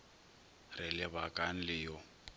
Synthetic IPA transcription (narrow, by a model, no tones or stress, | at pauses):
rɪlɪβakʼan̩lɪjɔ